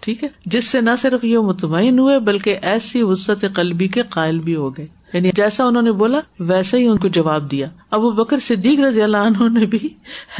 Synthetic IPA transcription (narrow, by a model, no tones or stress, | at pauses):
ʈʰiːkɦɛːd͡ʒɪsːenɐsɪɾfjemʊt̪maːɪnɦuebɐlkeʔɛːsiɦʊsːət̪eqɐlbikeqaːɪlbʱiɦoɡɐeːjaːnid͡ʒɛːsaʊnɦõːneboːlaʋɛːsaɦiʊnkod͡ʒɐʋaːb̚d̪ijaːɐbubɐkəɾsɪd̪ːiːkɾɐzjɐlaʊnɦõnebʱi